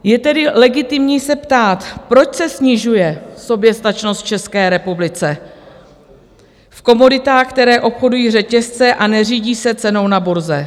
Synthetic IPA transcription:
jɛt̪ɛdɪlɛɡɪt̪ɪmɲiːsɛpt̪aːt̪pɾo̞t͡ʃsɛsɲɪʒujɛso̞bjɛst̪at͡ʃnost̪̚t͡ʃɛskɛːɾɛpublɪt͡sɛ | fko̞mo̞dɪt̪aːxkt̪ɛɾɛːʔo̞pxo̞dujiːrɛcɛst͡sɛʔanɛriːɟiːsɛt͡sɛno̞wnabuɾzɛ

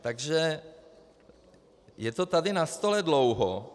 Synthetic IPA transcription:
t̪aɡʒɛ | jɛt̪ot̪adɪnast̪olɛdlowɦo

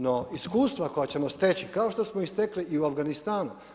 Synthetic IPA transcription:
noiskuːst̪ʋako̞jat͡ɕe̞mo̞st̪et͡ɕikaoʃt̪o̞smoist̪ekliʔiuafɡanist̪aːnu

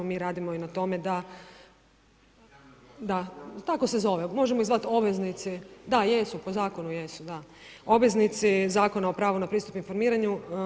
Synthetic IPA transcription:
miːɾaːd̪imo̞inat̪o̞me̞d̪a | d̪at̪ako̞se̞zo̞ʋemo̞ʒemoizʋat̪o̞bʋeznit̪sid̪ajesupozaːko̞nujesud̪a | obʋe̞znit̪sizaːko̞nao̞pɾaːʋonapɾiːst̪upinfo̞ɾmiːɾaɲu

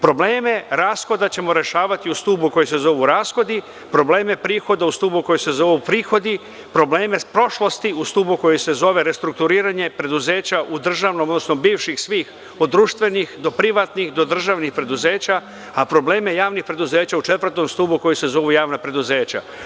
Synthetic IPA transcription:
pɾo̞bleːme̞ɾaːsxo̞d̪at͡ɕe̞mo̞ɾe̞ʃaːʋat̪iust̪uːbuko̞jise̞zo̞ʋuɾaːsxo̞d̪i | pɾo̞ble̞ːmepɾiːxo̞d̪aust̪uːbuko̞jise̞zo̞ʋupɾiːxo̞d̪i | pɾo̞ble̞ːme̞pɾo̞ʃlˠo̞st̪iust̪uːbuko̞jise̞zo̞ʋe̞ɾe̞st̪ɾuk̚t̪uɾiːɾaɲe̞pɾe̞d̪uze̞ːt͡ɕaʔud̪r̩ʒaːʋnomod̪nosnobiːʋʃixsʋiːx | o̞d̪ːɾuːʃt̪ʋe̞nixd̪o̞pɾiʋat̪nixd̪o̞d̪r̩ʒaʋnixpɾe̞d̪uze̞ːt͡ɕa | apɾo̞bleːme̞jaːʋnixpɾe̞d̪uze̞ːt͡ɕaut͡ʃe̞t̪vr̩t̪o̞mst̪uːbuko̞jise̞zo̞ʋujaːʋnapɾe̞d̪uze̞ːt͡ɕa̰

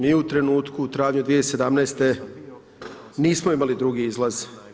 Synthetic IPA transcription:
miːut̪ɾe̞nuːt̪kuːt̪ɾaːvɲud̪ʋijese̞d̪amnɛːst̪e̞ | niːsmoimalid̪ɾuɡiizlˠaz̥

